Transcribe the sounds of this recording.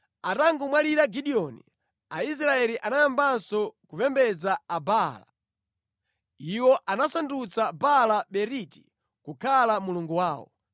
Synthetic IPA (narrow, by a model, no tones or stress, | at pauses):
ataŋɡumwaliɾaɡiɗiɔnḭ | ais̬ɾaɛliʔanajambansɔkuvɛmbɛd͡zaːbala̰ | iwɔʔanasandut͡sabalaɓɛɾiti̥ | kukʰalamuluŋɡuwaːwɔ̰